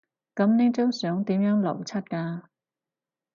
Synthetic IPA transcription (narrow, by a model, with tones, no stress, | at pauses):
kɐ˨˥mne˥t͡so˥wsœː˨˥ŋt̪iː˨˥mjœː˨˥ŋlɐ̰˨˩wt͡sʰɐ˥t̚kaː˧